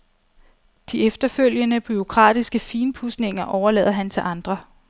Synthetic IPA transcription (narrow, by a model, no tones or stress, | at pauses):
d̥iefd̥ɐføl̰jənəb̥yo̝kʰʁɑ̰̈ːd̥isɡ̥əfiːnpʰusne̝ŋɐʔɒʊɐlɛ̰ːðˠɐɦænt͡sʰe̝ʔɑ̈nd̥ʁɐ